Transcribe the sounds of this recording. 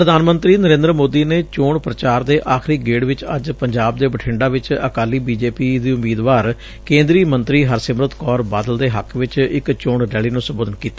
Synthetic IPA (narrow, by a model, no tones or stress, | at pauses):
pɾəd̪aːnmə̃nt̪ɾiːnəɾẽːnd̪ɾəmoːd̪iːneːt͡ʃoːɳpɾət͡ʃaːɾd̪eːʔaːkʰɾiːɡeːɽʋɪt͡ʃə̰d͡ʒpəɲd͡ʒaːbd̪eːbəʈʰɪ̃ɳɖaːʋɪt͡ʃə̰kaːliːbiːd͡ʒeːpiːd̪iːʊmiːd̪ʋaːɾ | kẽːnd̪ɾiːmənt̪ɾiːɦəɾsɪmɾət̪kɔːɾbaːd̪əld̪eːɦəkʰʋɪt͡ʃɪkt͡ʃoːɳɖɛːliːnũːsəmboːd̪ənkiːt̪a